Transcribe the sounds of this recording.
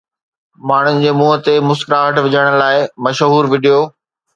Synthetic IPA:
maːɳ̤ʊnɪ̆d͡ʑeːmuːɦət̪emʊskɪɾaɦɐʈʰʋɪd͡ʑəɽ̃laːɪmɐʃɦuːɾʋɪɖijoː

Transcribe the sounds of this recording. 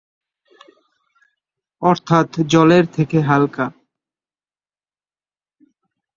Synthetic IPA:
ɔɾt̪ʰat̪d͡ʑɔleɾt̪ʰekeɦalka

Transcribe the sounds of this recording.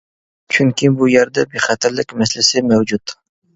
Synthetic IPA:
t͡ʃʰyŋkʲibujɛɾd̪ɛbeχɛt̪ʰɪɾlɪkʲmɛslɪsɪmɛwd͡ʒut̪

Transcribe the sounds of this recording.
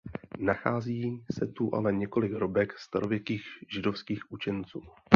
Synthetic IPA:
naxaːziːsɛt̪uʔa̰lɛɲɛko̞lɪɡɾobɛkst̪aɾo̞vjɛkiːɣʒɪdo̞fskiːxʔut͡ʃɛnt͡suː

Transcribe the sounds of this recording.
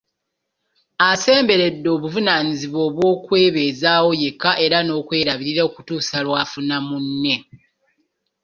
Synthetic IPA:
ase̞ːmbe̞ɾe̞dːo̞ːβuvunaːniziβwo̞ːβwo̞ːkwe̞ːβe̞ːzaːwo̞je̞kːaʔe̞ɾano̞ːkwe̞ːɾaβiɾiɾeokutuːsalwaːfunamunːe̞

